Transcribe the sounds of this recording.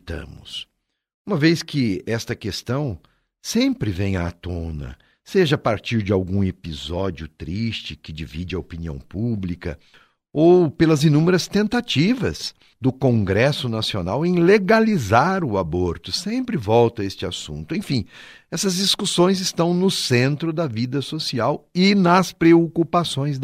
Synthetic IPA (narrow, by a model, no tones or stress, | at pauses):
t̪ɐ̰̃mʊs | ũmɐvejskɪɛst̪ɐkest̪ɐ̃w̃ | sẽmpɾɪvẽj̃aːt̪õnɐ̰ | seʒɐapaɾt͡ʃiɾd͡ʒɪawɡũepizɔd͡ʒiʊt̪ɾist͡ʃɪkɪd͡ʒivid͡ʒɪɐopiniɐ̰̃w̃publikɐ̰ | owpelɐzinũmeɾɐst̪ẽnt̪at͡ʃivɐ̰z | d̪ʊkõŋɡɾɛsʊnasionawẽj̃leɡalizaɾʊaboɾt̪ʊsẽmpɾɪvɔwt̪ɐest͡ʃɪasṵ̃nt̪ʊẽj̃fĩ | ɛsɐzd͡ʒiskusõj̃zɪst̪ɐ̃w̃nʊsẽnt̪ɾʊd̪ɐvid̪ɐsosiawɪnɐspɾeokupasõj̃z